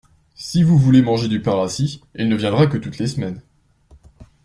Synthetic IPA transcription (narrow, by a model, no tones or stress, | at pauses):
sivuvulemɑ̃ʒed̪ypaʁasiilnəvjɛ̃d̪ʁakət̪ut̪lesmɛn